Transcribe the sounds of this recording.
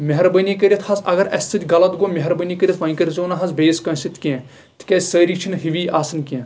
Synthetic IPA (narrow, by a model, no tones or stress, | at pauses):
meɦɐɾbɐnʲikəɾʲit̪ʰhɐsɐ̰ɡɐɾɐ̰sʲt͡s̪ɨt̪ʲɡɐlɐt̪ɡomeɦɐɾbɐniːkəɾʲit̪ʰʋɐnkəɾʲizoːnɐɦɐzbeːskɐ̃ːsit̪ʲʰkʲẽː | t̪ʰkʲɐzʲsəːɾiːt͡ʃʰinɦiʋiːaːsɐnkʲẽː